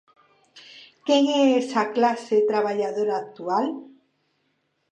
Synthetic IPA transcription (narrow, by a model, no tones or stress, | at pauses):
keŋesaklaset̪ɾaβaʎaðoɾaːk̚t̪ual